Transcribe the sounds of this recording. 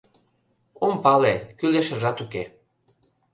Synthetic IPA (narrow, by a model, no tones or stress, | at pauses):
ompɑlekyleʃə̆ʒɑt̪uke